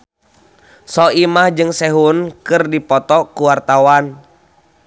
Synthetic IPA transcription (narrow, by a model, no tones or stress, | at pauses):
sɔimahd͡ʒɨŋsɛɦunkɨrdipɔt̪ɔkuwart̪awan